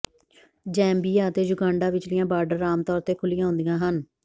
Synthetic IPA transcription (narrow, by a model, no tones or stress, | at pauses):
d͡ʒɛ̃ːmbiːjaːt̪eːd͡ʒʊɡaːɳɖaːʋɪt͡ʃlɪjãːbaːɾɖəɾaːmt̪ɔːɾt̪eːkʰʊlɪjãːɦʊ̃nd̪ijãːɦən